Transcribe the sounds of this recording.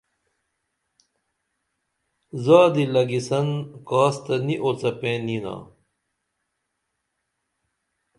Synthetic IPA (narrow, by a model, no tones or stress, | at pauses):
zaːd̪ilɐɡisɐnkaːst̪ɐniʔot͡sɐpẽːnina̰ː